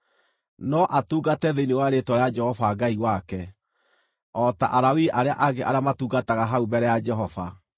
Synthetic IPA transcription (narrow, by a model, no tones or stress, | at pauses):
nɔʔatuːɡatɛðenewaɾetwɔɾead͡ʒɛhɔvaɡaiwakɛ | ɔta̰ʔaɾawiʔaɾeaʔaɡeʔa̰ɾeamatuːɡataɣaɦaubɛɾɛjad͡ʒɛɦɔva̰